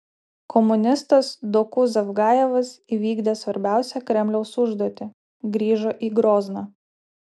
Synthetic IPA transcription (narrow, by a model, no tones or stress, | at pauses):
kʰɔmʊnʲɪst̪ɐsd̪okʊsɐfɡɑːjɛʋɐsiːʋʲiːɡd̪ʲeːsʋɐɾʲbʲæˑʊsʲɛkɾʲɛmʲlʲɛʊsʊʒd̪uɔt̪ʲɪ | ɡɾʲiːʒoːʔiːɡɾoːznɑː